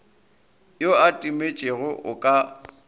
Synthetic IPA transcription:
joatʼimet͡ʃʼeɣʊʔʊ̰kʼa

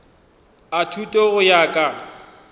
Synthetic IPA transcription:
atʰutʼoɣʊjakʼa

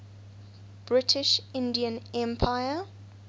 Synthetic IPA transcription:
b̥ɹɪtʰɪʃɪ̃ndiə̃nɛ̃mpʰaɪə

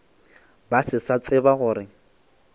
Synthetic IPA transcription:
basɪsat͡sʼɪbaɣʊːɾɪ

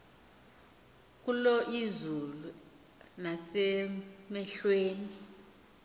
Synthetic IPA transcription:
k̬ʼulɔʔizulu | nasɛmɛɬweːni

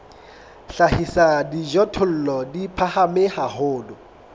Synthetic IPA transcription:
ɬahisadiʒɔtʰʊl̩lɔdipʰahamɪhahʊːdʊ

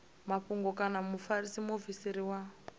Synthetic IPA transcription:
maɸuŋɡɔkanamufarisimovisiɾiwa

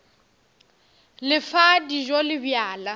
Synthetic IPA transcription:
lɪfadiʒolɪbjaːla

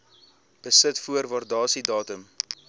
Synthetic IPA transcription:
b̥əsətfuərvɑrdɑːsidɑːtəm

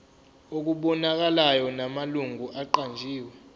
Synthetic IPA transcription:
ok̬uɓɔnak̬alajɔnamaluŋɡʱuʔaǃand͡ʒʱiːwɛ

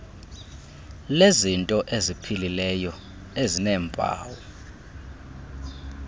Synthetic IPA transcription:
lezintʼɔʔezipʰililɛjɔ | ezinɛːmbʱa̰ːwɔ

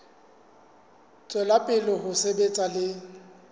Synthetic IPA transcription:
t͡sʼwɛlapʼɪlɔɦʊsebet͡sʼalɪ

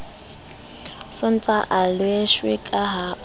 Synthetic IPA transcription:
sʊn̩t͡sʼaʔalweʃwɪkʼaɦa

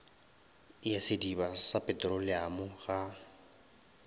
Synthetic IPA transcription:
jasɪdibasapʼɛtʼɾʊlɪamʊɣa

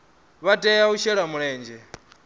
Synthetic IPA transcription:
βatʼɛjauʃɛɺamuɺɛːnd͡ʒɛ

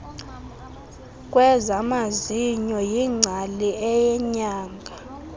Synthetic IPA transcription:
kʼwɛzamaziɲɔjiŋ͡ǀʱaliɛjɛɲaːŋɡʱa

